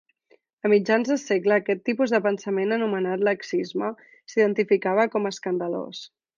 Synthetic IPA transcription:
əmid͡ʒanzðəseɡləːkɛt̪ːipuzðəpənsəmenənumənat̪ləksizmə | siðənt̪ifikaβ̞əkɔməskənd̪əlo̰s

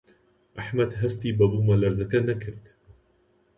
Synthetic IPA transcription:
ʔaħmad̪ɦast̪ibɑb̪umalaɾzakanakɪɾt̪

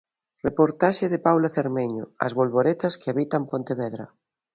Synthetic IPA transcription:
repoɾt̪aʃeðepawlaθeɾmeɲo̰a̰zβolβoɾet̪ɐskeaβit̪ampont̪eβɛðɾɐ̰

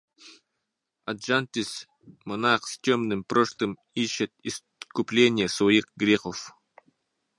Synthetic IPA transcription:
ɐd̪ʒanʲt̪ʲis | monaqst̪ʲomnɨmpɾoʂlˠɨm | iɕːɪt̪̚is | kʊplʲenʲɪjəsjikɡɾʲeχof

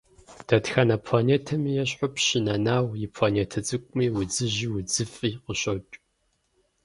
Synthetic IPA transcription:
d̥ɐtxanɐpʰlaːneːtʰɐmijɛɕ̬ħʊpɕɪnɐnaːwjɪpʰlaneːtʰɐt͡sʼɨkʷʼʊmiːwʊd͡zɨʑiwʊd͡zɨfʼiːqəɕot͡ʃʼ

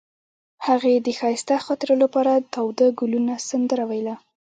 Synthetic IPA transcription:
haɣed̪əxɑjɪst̪axɑt̪eɾəlapɑɾat̪awd̪aɡʊlunasand̪əɾawajla

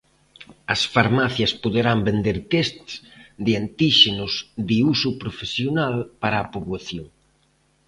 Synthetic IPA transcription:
ɐsfaɾmaθjɐspoðeɾambend̪eɾt̪est̪sðɪant̪iʃenʊzðɪusupɾofesjonalpaɾɐːpoβaθjoŋ

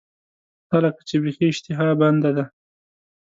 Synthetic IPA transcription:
xalakḁt͡ʃebexiɪʃt̪ɪɦɑband̪ad̪a

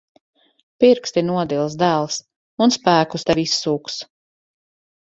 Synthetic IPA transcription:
piɾkst̪inuɔd̪ilˠs̬d̪æːlˠs | unspæːkust̪ɛvʲisːuːks

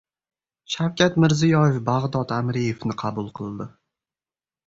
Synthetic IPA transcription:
ʃawkʲʰat̪mɪɾzɪjɒjefbaʁd̪ɒt̪amɾijefnɪqʰɑbʊlˠqʰɨlˠd̪ɪ

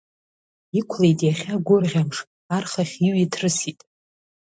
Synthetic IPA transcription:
ikʷʰlejtʼjaχʲaɡʷʊrʁʲamʂ | arχaχʲiɥitʰrɨsitʼ

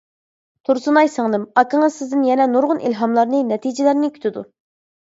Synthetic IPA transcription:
t̪ʰuɾsunɑjsɨŋd̪ɨmɑkəŋəz̥sɪzd̪ɪnjɛnɛnuɾʁʊnʔḭlɦɑmlˠɑɾnɨnɛt̪ʰid͡ʒɪlæɾnɪkʲʰy̥t̪ʰɪd̪u

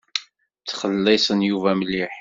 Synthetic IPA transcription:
t͡sːχəlːisˤənjuvæmlːiħ

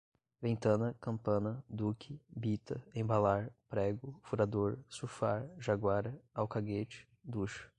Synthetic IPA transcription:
vẽnt̪ɐ̃nɐkɐ̃mpɐ̃nɐd̪ukʰɪbit̪ɐẽbalaɾpɾɛɡʊfuɾad̪oɾsuɾfaɾʒaɡwaɾɐawkaɡet͡ʃɪ̥ | d̪uʃɐ̥

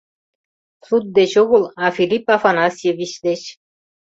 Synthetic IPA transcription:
sut̪̚d̪et͡ɕoɣolˠafilʲipafanɑsʲjevʲiʃd̪et͡ɕ

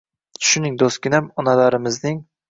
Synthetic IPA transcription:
ʃʊnɪŋd̪oskʲɪnæmɒnɑlɑɾɪmɪznɪŋ

